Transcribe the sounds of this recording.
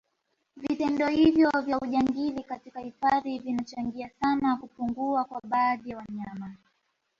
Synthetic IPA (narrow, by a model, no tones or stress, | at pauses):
vitɛndɔhivjɔvjauʄaŋɡilikatikahifaðivinat͡ʃaŋɡiasanakupuŋɡuakwaɓaːðijawaɲama